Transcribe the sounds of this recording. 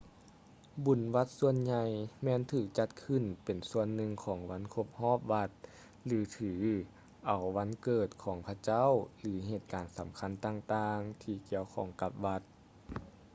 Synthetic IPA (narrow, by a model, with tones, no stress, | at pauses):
bu˨˩˦nʋa˧˥t̪̚su˧ənɲa˧˩jmɛː˧˥˨nt̪ʰɯː˧˩k̚t͡ɕa˧˥t̪̚kʰɯ˧˩˨npe˨˩nsu˧ənːɯ˧ŋkʰɔː˩˦ŋwa˧˥nkʰo˧˥p̚hɔː˧˥˩p̚ʋa˧t̪̚ | lɯː˨˩˦t̪ʰɯː˨˩˦ | ʔa˨˩wʋa˧˥nkɤː˧˩t̪̚kʰɔː˨˩˦ŋpʰa˧t͡ɕa˥˨wlɯː˩˦ɦeː˧˩t̪̚kaː˨˩nsa˨˦mkʰa˧˥˨nt̪aː˧˨ŋt̪aː˧ŋt̪ʰiː˧ki˧˩əwkʰɔː˧˩ŋka˧˦p̚ʋa˧˥t̪̚